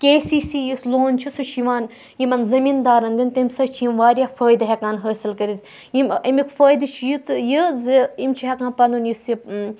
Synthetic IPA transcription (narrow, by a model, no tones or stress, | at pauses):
kʲeːsiːsijisloːnt͡ʃʰisut͡ʃʰiʋaːn | jimɐnzɐmiːnd̪aːɾɐnd̪int̪imsɐt͡ʃʰjimʋaːɾʲjafəːjd̪ɐɦʲekaːnɦəːsilkɐɾiz | jimɐmikfəːjd̪ɨt͡ʃʰijit̪jizɨimt͡ʃʰiɦekãːnpɐnd̪unjisi